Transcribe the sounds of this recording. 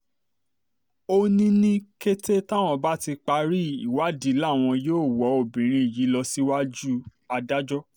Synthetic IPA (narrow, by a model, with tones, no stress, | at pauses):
o˧nĩ˦nĩ˦ke˦te˦ta˦˨w̃ɔ̃˧ba˦ti˧k͡pa˧ɾi˦i˨wa˨˦di˨˦la˦˨w̃ɔ̃˧joː˦˨wɔ˨˦o˦˨bĩ˨ɾ̃ĩ˧i˨ji˨˦lɔ˧si˦wa˦d͡ʒu˦ | a˧da˦d͡ʒɔ˦